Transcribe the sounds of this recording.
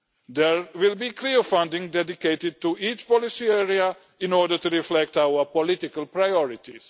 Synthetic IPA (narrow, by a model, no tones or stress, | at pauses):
d̪ɛɹwɪlbikʰliofãndɪ̃ŋdɛdiketɪd̚tuiːt͡ʃpɔlɪsiɛɹia | ɪ̃nɔɹdət̪uɾiflɛk̚t̪aʊəpɔlɪt̪ɪkəlpɹajɔɹɪt̪is